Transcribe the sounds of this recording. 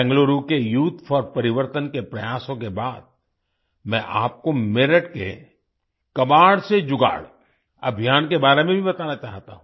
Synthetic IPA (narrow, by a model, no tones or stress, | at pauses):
ɛ̃ŋɡloɾukejuːt̪ʰfʰɔɾpɐɾɪʋəɾt̪ənkepɾɐjaːsõkebaːd̪̚ | mɛ̃ʔaːp̚komeːɾəʈkḛ | kɐbaːɽsed͡ʒʊɡa̰ːɽ | ɐ̰bʱijaːnkebaːɾemẽbʱibɐt̪aːnat͡ʃaːɦt̪a̰ɦũ